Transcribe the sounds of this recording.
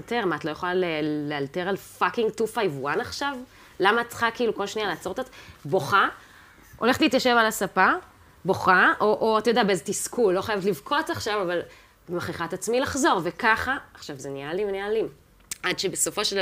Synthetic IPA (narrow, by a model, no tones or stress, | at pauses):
teʁmatlo̞jeχlalelealteʁalfakiŋɡtufajvuanaχʃav | lamaːtt͡sχakiiːluko̞lʃnialeaːt͡so̞ʁtat͡sbo̞χa | ʔo̞leχtliːt̪jaʃevalasapa | bo̞χaʔoʔoat̪ajod̪abeezet̪iskulo̞χajavetlivkʰo̞t͡saχʃavaval | bemaχiχat̪at͡smilaχzo̞ʁvekaχaːχʃavzenialivnialim | adʃebeso̞fo̞ʃeld